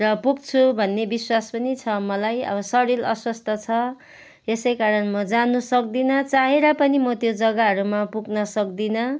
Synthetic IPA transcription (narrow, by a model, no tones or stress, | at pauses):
rʌpuk̚t͡sʰubʱʌnːebiswaspʌnit͡sʰʌmʌlajʌ̰bʌsʌɽilʌ̰swʌst̪ʰʌt͡sʰʌ | esʌjkaɾʌnmʌd͡zanusʌk̚d̪inʌt͡saɦeɾʌpʌnimʌt̪jod͡zʌɡaɦʌɾumapuɡnʌsʌk̚d̪inʌ